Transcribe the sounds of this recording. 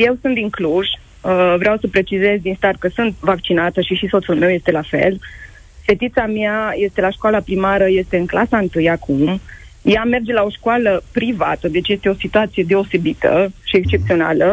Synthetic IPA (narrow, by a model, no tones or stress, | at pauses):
je̞wsunt̪iŋkluʒ̥ | əvɾeawsəpɾe̞t͡ʃize̞zd̪inst̪at̪̚kəsɨnt̪̚vakt͡ʃinat̪əʃiʃiso̞t̪sulme̞wje̞st̪e̞lafe̞̰l | fe̞t̪it̪samiaje̞st̪e̞laʃkwalapɾimaɾəje̞st̪e̞ɨŋklasaɨnt̪ɨjakʰum | jame̞rd͡ʒe̞lao̞ʃkualəpɾiva̰t̪əd̪e̞t͡ʃje̞st̪e̞o̞sit̪uat̪sije̞d̪e̞ose̞bit̪ə̰ʃie̞kst͡ʃe̞p̚t̪sio̞na̰lə